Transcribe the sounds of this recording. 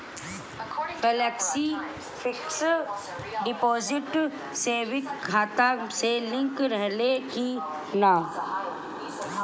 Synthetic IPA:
ɡɛlɛːksi | fɪks | ɖɪpɔːzɪʈ | seːʋɪkːʰaːt̪aselɪ̃ŋkɾɛɦleki | naː

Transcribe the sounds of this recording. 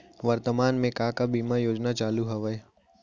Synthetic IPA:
ʋɐɾt̪əmaːnmẽkaːkabiːmajoːd͡ʒnat͡ʃaːluɦɐʋəe

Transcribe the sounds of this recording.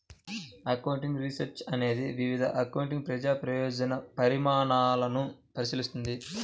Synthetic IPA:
ɐkɐwɳʈiŋɡɾisɐɾt͡ʃɐne̞ːd̪iʋiʋid̪ʱɐ̰ʔɐkɐwuɳʈ̬iŋɡpɾɐd͡ʒaːpɾɐjɔːd͡ʒɐnɐpɐɾimaːɳaːlɐnupɐɾisilist̪und̪i

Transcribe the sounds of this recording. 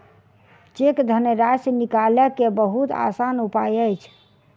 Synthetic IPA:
t͡ʃekd̪ʱənəɾasnikaləkebəɦut̪a̰sanupajəjt͡ʃʰ

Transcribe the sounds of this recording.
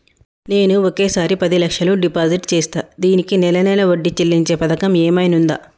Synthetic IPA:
neːnuokeːsaːɾipɐd̪ilɐkʂɐluɖipaːd͡ʒiʈt͡ʃeːst̪aːd̪iːnikinɛlɐnɐlɐʋoɖːit͡ʃelːiɲt͡ʃe̞ːpɐd̪ɐkɐmeːmɐjnund̪a̰ː

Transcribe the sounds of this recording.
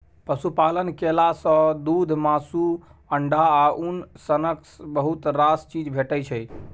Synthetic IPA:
pəsupalənkelasə̃d̪ud̪ʱmasuəɳɖaːʔunsənəksbəɦut̪ɾast͡ʃid͡ʒbʱeʈəjt͡ʃʰɛj

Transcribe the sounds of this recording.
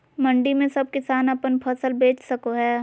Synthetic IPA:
mɐ̃ɳɖimẽsɐb̚kɪsaːnɐpənpʰɐsəlbeːt͡ʃsɐkoɦɛː

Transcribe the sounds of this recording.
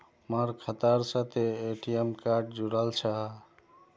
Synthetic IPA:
məɾkʰət̪əɾsət̪eeʈʰijemkaɾɖd͡ʒuɽəlt͡ʃʰə

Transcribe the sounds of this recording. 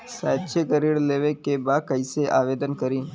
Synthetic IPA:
saːt̪t͡ʃʰekəɾiːɽleːʋekːebaːd̚kəiseʔaːʋeːd̪ənkəɾĩː

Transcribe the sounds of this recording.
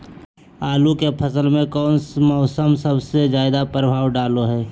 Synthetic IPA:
aːlukepʰəsəlmẽkɔːnmɔːsəmsəbsed͡ʒjaːɪd̪apɾəbʱaːwɖaːloɦɛː

